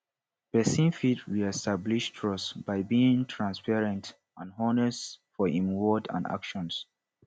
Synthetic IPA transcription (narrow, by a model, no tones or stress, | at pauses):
b̥ɛsĩnfitʰɹiɛstabliʃtʰɹɔsb̥aɪbiĩŋtʰɹãnspɛɹɛ̃nt | ãnɦɔnɛstfɔĩmwɔdã̰nda̰kʃɔ̃ns